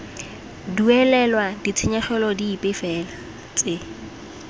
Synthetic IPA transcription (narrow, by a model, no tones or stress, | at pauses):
duɛlɛlwadit͡sʰɪɲaχɛlɔdiːpʼɪfɛːla | t͡sʼɪ